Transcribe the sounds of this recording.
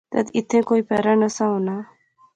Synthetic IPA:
t̪a̰t̪it̪ʰẽkoipɛɾanəsãw̃na

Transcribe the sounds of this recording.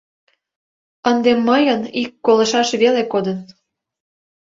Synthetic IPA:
ənd̪emːəjənikːolɤ̆ʃɑʃβelekod̪ə̆n

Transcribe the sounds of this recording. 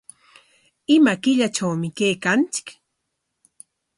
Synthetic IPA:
ɪmakɪʎat͡ʃawmɪkejkant͡sɪ̥k

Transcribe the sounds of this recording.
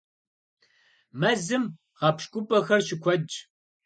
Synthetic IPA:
mɐzɨm | ʁɑpʃkʷʼʊpʼɐxɐrɕɪkʷʰɔd͡ʒʼ

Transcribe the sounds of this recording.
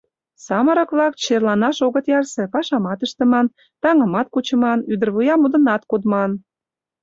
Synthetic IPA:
sɑmə̆ɾə̆kβlɑk̚t͡ɕerlɑnɑʃoɣə̆t̪jɑrsĕpɑʃɑmɑt̪əʃt̪ə̆mɑn | t̪ɑŋəmɑt̪̚kut͡ɕə̆mɑnyd̪ərβɯjɑmud̪ə̆nɑt̪kod̪mɑn

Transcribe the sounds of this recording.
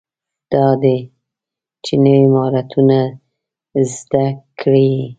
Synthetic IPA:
d̪̥ɑd̪e | t͡ʃenəwimɑɾat̪ʰuna | zd̪akʰɽe

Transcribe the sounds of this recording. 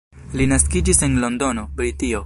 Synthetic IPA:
linaskid͡ʒise̞nlo̞ndo̞no̞bɾitio̞

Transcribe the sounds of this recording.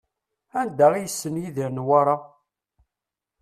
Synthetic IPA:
ænd̪æʁijəsːənjiðinwaɾˤa

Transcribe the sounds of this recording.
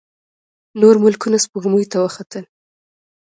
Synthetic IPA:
noɾmʊlkunaspəɣmujt̪awəxat̪əl

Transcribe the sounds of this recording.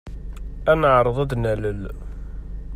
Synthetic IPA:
ænəʕɾˤəðˤæd̪næləl

